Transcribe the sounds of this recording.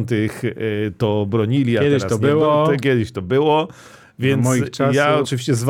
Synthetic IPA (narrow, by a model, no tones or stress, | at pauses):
nt̪̬ɪxt̪ɔbɾɔɲilʲiaɛd̪ɪat̪ɔɪwɔɛkʲɛd̪ɪɕt̪ɔbɘwɔ | vʲjɛntmɔjit͡ʂajaɔt͡ʂɨvʲiɕt͡ɕɛzv